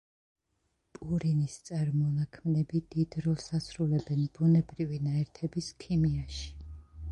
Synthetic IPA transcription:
pʼuɾinist̪sʼaɾmɔnakʰmnɛbid̪̥id̪ɾɔlˠsasɾulɛbɛnbunɛbɾivinaɛɾt̪ʰɛbiskʰimiaʃi̥

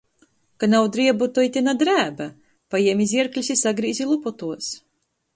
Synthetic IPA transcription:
kanawd̪ɾiɛbut̪ɔjt̪ʲinad̪ɾæːba | pajiɛmiziɛɾklʲisʲisaɡɾiːzʲilˠupɔt̪uɔs

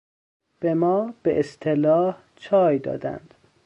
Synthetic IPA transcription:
b̥emɒːb̥eʔest̪ʰelɒːh | t͡ʃʰɒːjd̪ɒ̰ːd̪æ̰nd̪̥

